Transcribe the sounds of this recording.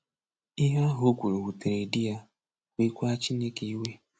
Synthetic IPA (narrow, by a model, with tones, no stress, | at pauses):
i˦ɦa˦ɦo˦kʷu˨ɾo˨wu˨te˨ɾe˨di˦ja˦ | kʷi˦kʷa˦t͡ʃi˦ne˦ke˨i˦we˦